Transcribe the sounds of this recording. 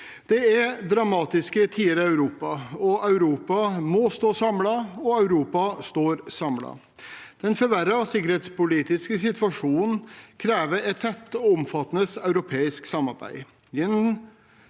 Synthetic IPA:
d̪̥ɛɛɾd̪ɾɑmɑːt̪ɪskət̪ʰiːəɾəɑʉɾuːpɑɔʔɑʉɾuːpɑmɔst̪oːsɑmlɑɔɑʉɾuːpɑst̪oːɾsɑmlɑ̰ | d̪̥ɛnfɔɾʋæɾɑsɪkəɾheːt̪spʊliːt̪ɪskəs̬ɪt̪ʋɑʂuːnn̩kʰɾeːʋəɾɛt̪ʰːɛt̪ːɔɔmfɑt̪ːənəsœʉɾʊpʰeːɪsksɑmɑɾbæ̰ɪ | ɛn

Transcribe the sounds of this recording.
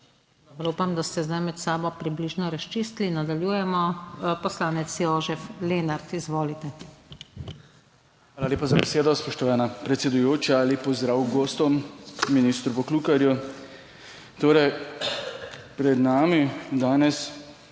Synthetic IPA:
d̪ɔbɾupamd̪ast̪ɛzd̪ajmɛt̪saːbɔpɾibliːʒnɔɾaʃt͡ʃist̪linad̪aljuːjɛmɔpɔslaːnɛt̪sjoːʒɛfleːnaɾt̪izʋoːlit̪ɛ | xʋaːlaleːpazabɛseːd̪ɔspɔʃt̪ɔʋaːnapɾɛt̪sɛd̪ujoːt͡ʃalipɔzd̪ɾaːwɡoːst̪ɔmːinist̪ɾupɔklukaɾju | t̪oːɾɛj | pɾɛd̪naːmid̪aːnɛs

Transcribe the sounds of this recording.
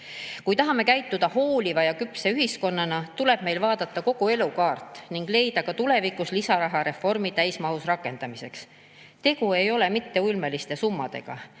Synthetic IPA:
kujt̪ɑɦɑme̞kæjt̪ːˑud̪̥ɑho̞ːlʲivɑjɑkypːˑseyɦisko̞nːɑnɑt̪ule̞b̥me̞jlvɑːd̪̥ɑt̪ːˑɑko̞ɡ̥ue̞lukɑːrt̪ːˑniŋɡ̥le̞jd̪̥ɑkɑt̪ule̞vikuslisɑɾɑɦɑɾe̞fo̞rmit̪æjsmɑɦusrɑkːˑe̞nd̪̥ɑmise̞ks | t̪e̞ɡ̥ue̞jo̞le̞mit̪ːe̞ulmelist̪e̞sumːɑd̪̥e̞̰ɡ̥ɑ̰

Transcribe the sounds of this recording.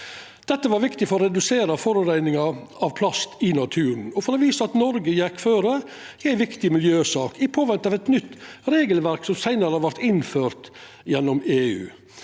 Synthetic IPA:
d̪̥ɛt̪ːəʋɑɾʋɪkt̪ɪfɔɾɔɾɛd̪ʉseːɾəfɔɾʉɾæɪnɪŋɑɑʋpʰlɑst̪ɪnɑt̪ʰʉːɾn̩ɔfɔɾɔʋiːsəɑt̪nɔɾɡəjɛkːføːɾə | æɪʋɪkt̪ɪmɪljøːsɑːkɪpʰoːʋɛnt̪ɑʋɛt̪nʏt̪ːɾeːɡəlʋæɾksɔmsæɪnəɾəhɑɾʋæɾt̪ɪnføːɾt̪ | jɛnːɔmeːʉ̰ː

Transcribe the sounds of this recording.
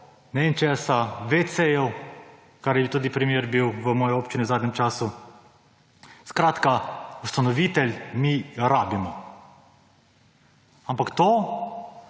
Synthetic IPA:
nɛent͡ʃɛːsaʋet̪sejɔw | kaɾjɛbit̪uːd̪ipɾimjeːɾbiwʋəmɔːjɔoːpt͡ʃiniwzaːd̪nʲɛmt͡ʃaːsu | skɾaːt̪kaust̪anɔʋiːt̪ɛlʲmiɾaːbimɔ | ampakt̪o

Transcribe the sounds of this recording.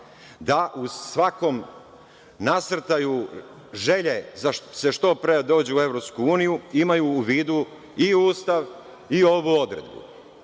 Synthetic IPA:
d̪aʔusʋako̞m | nasɾ̩t̪aju | ʒe̞ʎezaseʃt̪opɾed̪o̞ːd͡ʑeue̞ʋɾopskuuːnijuimajuːʋiːd̪u | iuːst̪aʋ | io̞ʋuo̞d̪ɾe̞̰d̪bṵ

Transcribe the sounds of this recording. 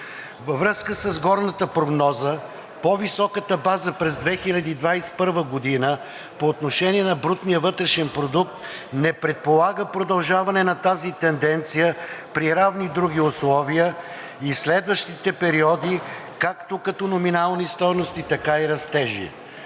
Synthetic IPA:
vəvɾɤskəsɐzɡɔɾnət̪əpɾoɡnɔzə | povisɔkət̪əbazəpɾɛzd̪vɛxilʲɐd̪iːd̪vajspɤɾvəɡod̪inə | poːt̪noʃɛniɛnɐbɾut̪nijəvɤt̪ɾɛʃɛnpɾod̪uk̚t̪ | nɛpɾɛt̪̚polˠaɡəpɾod̪ɐlˠʒavɐnɛnɐt̪azit̪ɛnd̪ɛnt̪sijəpɾiɾavnid̪ɾuɡʲiʊslˠɔvijə | islɛd̪vəʃt̪it̪ɛpɛɾiɔd̪ikakt̪okɐt̪ɔnominalˠnist̪ɔjnost̪it̪ɐkaiɾɐst̪ɛʒḭ

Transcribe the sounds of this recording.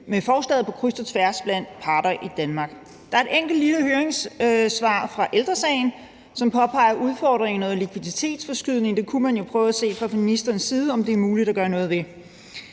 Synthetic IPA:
mefɒːsl̥ɛð̩ˠpʰɒ̥̽kʰʁysd̥ɐt͡sʰʋæɐsb̥læn̰d̥pʰɑ̈ːɾɐʔid̥ænmɑ̈ɡ̥ | d̥ɑ̈æɐe̝d̥eŋ̰ɡ̥l̩dliləhøːɐeŋssʋɑ̈ːfʁɑ̈ʔeld̥ʁɐsɛɪn̩ | sɒ̽mpʰɒ̽pʰɑ̈ɪɐʔuð̞ˠfɒ̰ːd̥ʁeŋnɔ̽ːð̩ˠlikʰʋiðˠit͡sʰe̝̰ːd̥sfɒ̽sɡ̥yð̞̰ˠne̝ŋd̥e̝kʰumænjo̝pʰʁœːʊæse̝̰ːfʁɑ̈minisd̥ʁɐːnsːiːð̞ˠəɒ̽md̥e̝æɐmuːlid̥æɡ̥ɶɐnɔ̽ːð̞̩ˠʋe̝

